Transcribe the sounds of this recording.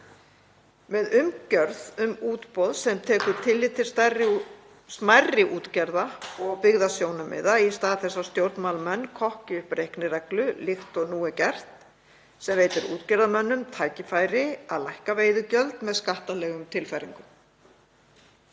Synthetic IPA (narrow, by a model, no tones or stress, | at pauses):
mɛðʏmcœɾðʏmuːt̪pɔðsɛmt̪ʰɛːkʏɾt̪ʰɪlːɪt̪ʰːɪ̥st̪arɪ | smajrːɪʔuːt̪cɛɾðaɔɣpɪɣðasjownʏmɪ̰ðaist̪aːðθɛsːast̪jowɾt̪nmalmɛnːkʰɔhcɪʏhpɾejhknɪɾɛklʏlɪxt̪ɔɣnuːɪcɛr̥t̪ | sɛmveːjt̪ɪɾṵːt̪cɛɾðamœnːʏmt̪ʰaːjcɪfaːjɾɪaðlajhkaveːjðʏcœlt̪mɛðskaht̪alɛːɣʏmt̪ʰɪlfajɾḭŋkʏm